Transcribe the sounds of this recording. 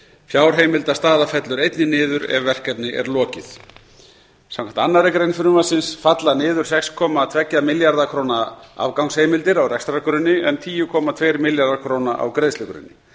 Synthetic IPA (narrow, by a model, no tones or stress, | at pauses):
fjaːwɾ̥ɦejmɪlt̪ast̪aːðafɛt̪lʏɾejt̪nɪnɪːðʏɾɛ̰vːɛr̥kɛt̪nɪʔɛ̰ɾlɔːcɪθ | sãmkʰamt̪anːaɾɪkɾejnfʏɾnʏmasɪnsfat̪lanɪːðʏɾ̥sɛkskʰɔːmat̪ʰvɛcːamɪljaɾðakʰɾownaa̰vkawŋsheːjmɪlt̪ɪɾawrɛkst̪ɾakʏɾʏnːɪɛnt̪ʰiːjʏkʰɔːmat̪ʰvejɾmɪljaɾðakʰɾoːwnaʔa̰wkɾejðslɛkʏɾɪ̰nːɪ